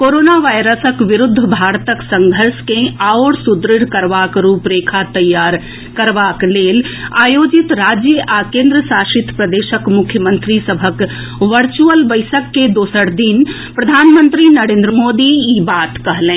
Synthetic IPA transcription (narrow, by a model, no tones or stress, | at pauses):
koɾoːnaʋajɾəsəkʋiɾʊd̪ʱːbʱaːɾt̪əksə̃ŋɡʱəɾskẽaoɽsud̪ɾɪɽ̤kəɾʋakɾuːpɾeːkʰat̪əjːaɾ | kəɾʋakleːlaːjod͡ʒit̪ɾad͡ʒjəʔakẽːnd̪ɾəsaʃɪt̪ʰpɾəd̪eːʃəkmʊkʰjəmə̃nt̪ɾisəbʱək | ʋəɾt͡ʃuəlbəɪsəkːed̪oːsəɽd̪in | pɾəd̪ʱaːnmə̃nt̪ɾinəɾẽːnd̪ɾəmod̪iibat̪kəɦlɛ̃